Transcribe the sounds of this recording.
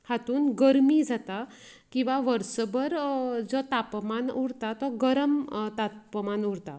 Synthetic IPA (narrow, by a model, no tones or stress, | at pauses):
hat̪uːnɡəɾmid͡zat̪a | kĩw̃ʋaʋəɾsəbəɾd͡zɔt̪apmanuɽt̪at̪ɔɡəɾəmt̪apəmanuɽt̪a